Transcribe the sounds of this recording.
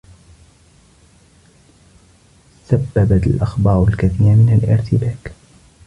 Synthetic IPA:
sabːabaalʔaxbɑːɾˤalkaθiːɾmɪnalʔɪ̰ɾt̪ɪbaːk

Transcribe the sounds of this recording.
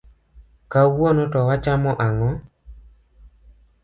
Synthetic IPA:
kawonotɔwat͡ʃamɔʔaŋɔ

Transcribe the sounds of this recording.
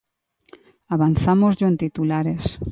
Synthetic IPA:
aβan̟θamozʝoent̪it̪ulaɾes

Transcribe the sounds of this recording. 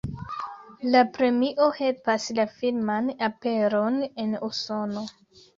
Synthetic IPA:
lapɾe̞miʔo̞he̞lpaslafilmanape̞ɾone̞nuso̞no̞

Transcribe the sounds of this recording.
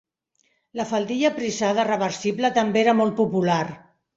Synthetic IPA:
ləfəlˠd̪iʎəpɾizaðərəβəɾsiblət̪əmbeeɾəmɔlˠt̪̚pupular

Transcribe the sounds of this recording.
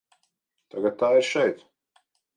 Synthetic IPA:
t̪aɡat̪ːaːɪɾʃɛjt̪

